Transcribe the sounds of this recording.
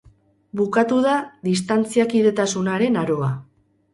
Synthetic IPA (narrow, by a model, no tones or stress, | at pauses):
bukat̪uðaðist̪ant͡siakiðe̞t̪asunaɾe̞naɾo̞a